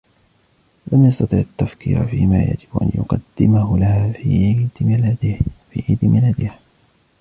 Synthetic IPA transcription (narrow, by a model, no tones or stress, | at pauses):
lʔamjɑst̪ɑt̪ˤɨʕat̪ːafkiːɾfiːma̰ːja̰d͡ʒɪbʔa̰njʊ̰qɑ̰d̪ːɪmahʊlahaː | fiːʕiːd̪malad̪ɪha